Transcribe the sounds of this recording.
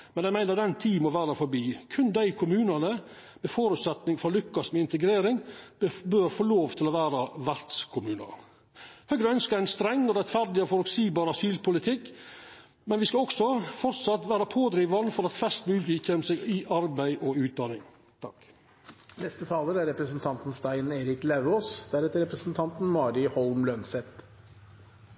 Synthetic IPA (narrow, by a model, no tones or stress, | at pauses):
mɛnæɪmæɪnəɾd̪ɛnt̪ʰiːmɔʋæːɾəfɔɾbiːkʰʉnd̪æɪkʰʊmʉːnɑnə | mɛfoːɾʉt̪sɛt̪nɪŋfɾɑlʉkːɑsmɛɪnt̪əɡɾeːɾɪŋbøːɾfoːloːʋt̪ʰɪlɔʋæːɾɑʋæɾt̪skʰʊmʉːnɑ̰ɾ | hœɡɾəœnskəæɪnst̪ɾɛŋɔɾɛt̪fæɾɖ̪ɪɔfɔɾʉksiːbɑːɾɑsyːlpʰʊlɪt̪ʰɪkː | mɛnʋɪskɑɔksɔfɔɾt̪sɑt̪ːʋæːɾɑpʰoːd̪ɾiːʋɑnfɔɾɑt̪fɛst̪mʉːlɪkːɛnmseɡɪʔɑɾbæɪʔɔʉːt̪̚d̪ɑnɪŋ | t̪ʰɑ̰k | nɛst̪ət̪ʰɑːləɾæɾɛpɾəsn̩t̪ʰɑnt̪n̩st̪æɪneːɾɪklæʉoːsd̪æɾɛːt̪əɾɛpɾəsn̩t̪ʰɑnt̪n̩mɑːɾɪhɔlmlœnsɛt̪